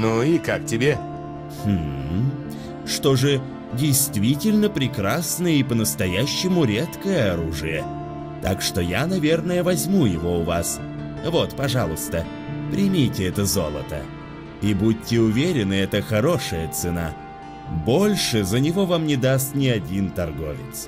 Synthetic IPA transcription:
nuikak̚tʲɪbʲe | x̩ | ʂt̪o̞ʐɨ | dʲɪjst̪vʲitʲɪlʲnəpɾʲɪkɾasnəjəipənəst̪ɐjæɕːɪmʊɾʲet̪kəjəɐɾuʐɨjə̰ | t̪akʂt̪o̞janɐvʲe̞rnəjəvɐzʲmujɪvo̞ʊvas | vo̞t̪pɐʐalˠʊst̪ə | pɾʲɪmʲijtʲɪɛt̪əzo̞lˠə̰t̪ə̰ | ibut̚ʲtʲːɪʊvʲeɾʲɪnɨɛt̪əxɐɾo̞ʂəjət̪sɨna̰ | bo̞lʲʂɨzənʲɪvo̞vamnʲɪd̪ast̪nʲɪɐdʲint̪ɐrɡo̞̰vʲɪt̪s

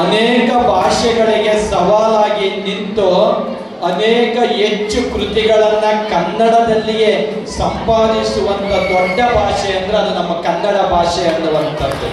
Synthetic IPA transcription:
ɐnɛːkɐbʱaːʂɛɡɐɭiɡe̞sɐʋaːlaːɡinint̪u | ɐnɛːkɐet͡ʃːukɾut̪iɡɐɭɐnːɐkɐnːɐɽɐd̪ɐlːije̞ | sɐmpaːd̪isuʋɐnt̪ɐd̪oɖːɐbʱaːʂɛjɐnd̪ɐɾeɐd̪unɐmːɐkɐnːɐɽɐbʱaːʂɛjɐnːuʋɐnt̪ɐːu

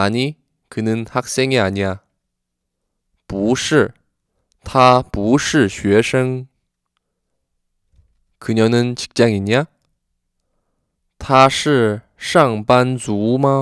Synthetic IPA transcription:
ani | kʰɯnəŋhak̚sɛnjaɲja | puʂɻ̩ | t̪ʰapuʂɻ̩ɕɥɛʂɤŋ | kʰɯnjanəŋt͡ɕʰi̥k̚t͡ɕjaŋinja | t̪ʰaʂɻ̩ | ʂɑŋpant͡suma

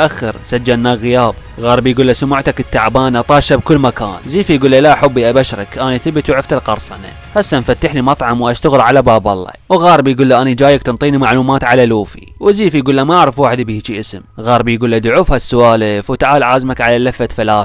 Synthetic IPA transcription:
ʔaxːɪɾsad͡ʒːalnaɣɪjaːb | ɣɑːɾˤbjɡuːlːasʊmʊʕt̪akɪt̪ːaʕbaːnʔɑt̪ˤɑːʃabkʊlːmaka̰ːnziːfijɡuːlːalaʔħʊbːiʔabaʃɾɑ̰kʔaːnit̪ɪbt̪wʕɪft̪alqɑɾˤsˤɑna̰ | hasːamfat̪ːaħlimɑt̪ˤʕɑmwʔaʃt̪aɣlʕalabaːbɑlˤːɑ̰wɣaːɾˤbjɡuːlːaʔanid͡ʒaːjak̚t̪ɪnt̪ˤiːnimaʕluːmaːt̪ʕalaluːfḭwziːfijɡuːlːamaʔaʕɾɑfwaːħɪd̪bihit͡ʃiʔɪsmɣaːɾˤbjɡuːlːad̪ʕufhasːʊwaːlɪfwt̪aʕaːlʕaːzmakʕalalafːat̪falaːθ

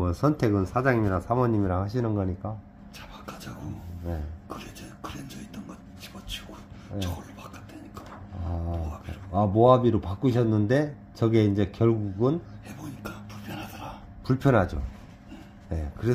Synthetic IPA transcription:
ʌsʰʌntʰe̞ɡɯnsʰad͡ʑaŋimiɾaŋsʰamʌɲimiɾaŋhaɕ̬ʰinɯnɡʌɲik͈a | t͡ɕḁpakad͡ʑaɡone̞kɯɾeekɯɾend͡ʑʌitːʌnɡʌ | t͡ɕi̥bʌt͡ɕʰiɡoneʌɭːopak͈ḁdeɲik͈a | aabiɾoamoabiɾopak͈uɕ̬ʰʌnːɯnde̞ | t͡ɕʌɡieind͡ʑe̞kjʌɭɡuɡɯnheboɲik͈apuɭpʰjʌnɦadʌɾa | puɭpʰjʌnɦad͡ʑo̰ | e | ne̞kɯɾe̞

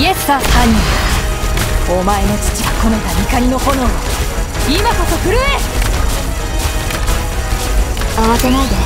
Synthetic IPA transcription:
ie̞sɨ̥ahaɲ̟ia | omae̞no̞t͡ɕi̥t͡ɕiɡakono̞d̪amʲikaɲino̞ho̞no | imakosokɯ̟ɾɯe | aβasenaid̪e

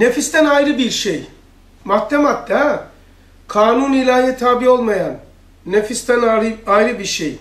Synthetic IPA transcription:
nefist̪ænajɾɯbiɾʃej | mat̪ʰːɛmat̪ːɛ | kʰaːnunilʲaːɦiɛt̪ʰaːbijo̞lˠmajanː | efist̪ænajɾɯbiɾʃej

